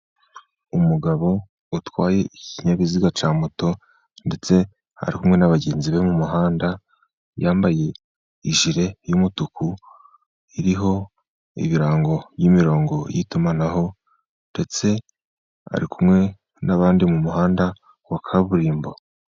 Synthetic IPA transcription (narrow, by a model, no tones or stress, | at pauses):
umuɡaβo̞ | utwaːje̞iciɲaβiziɡat͡ʃaːmuto̞ | nde̞t͡se̞ | ha̰ɾikumŋe̞naβaɟe̞ːnziβe̞mumuɦaːnda | jaːmbaje̞ | iʒiɾe̞jumutuku | iɾiɦo̞ | ḭβiɾaːŋɡo̞βjimiɾo̞ːŋɡo̞jitumanaho̞ | nde̞t͡se̞ | a̰ɾikumŋe̞ | naβaːndimumuɦaːnda | wakʰaβuɾiːmbo